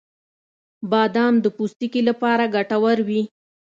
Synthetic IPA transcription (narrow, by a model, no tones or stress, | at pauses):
bɑd̪ɑmd̪əpust̪ikilapɑɾaɡaʈawaɾwi